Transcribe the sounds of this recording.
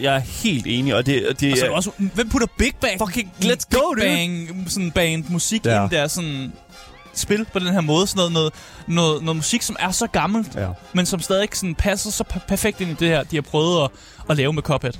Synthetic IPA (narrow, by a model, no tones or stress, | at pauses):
jɑ̈ɪæɐhe̝̰ːld̥e̝ːniɒd̥e̝d̥eɒ̽s̬ʋem̰pʰuɾ̥ɐb̥eɡ̥̚b̥æɒkeŋɡ̥le̥æŋsɒ̽n̩b̥ɛnd̥musiɡ̥nd̥æɐsɔ̽n | sb̥e̝lpʰɒd̥enɦeɐ̰mɔ̽ːð̞ˠəsɒnɔ̽ðˠnɔ̽ːð̩ˠ | nɔ̽ːð̩ˠnɔ̽ːð̩ˠmusiɡ̥sɒ̽mʔæɐsɒ̽ɡ̥ɑ̈ml̩d̥mensɒ̽msd̥ɛːð̞ie̝ɡ̥sɔ̽n̩pʰæsɐsɒ̽pʰpʰæɐfeɡ̥̚d̥e̝nid̥e̝hæɐ̰d̥ihɑ̈pʰʁœːð̩ˠɒ̽ | ɒ̽lɛːʊəmekʰɒ̽b̥ʰed̥